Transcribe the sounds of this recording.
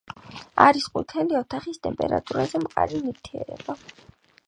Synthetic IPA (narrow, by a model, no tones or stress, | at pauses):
aɾisqʼṵɾt̪ʰɛliɔt̪ʰaχist̪ʼɛmpʼɛɾa̰t̪ʼuɾazɛmqʼaɾiniɾt̪ʰiɛɾɛ̰ba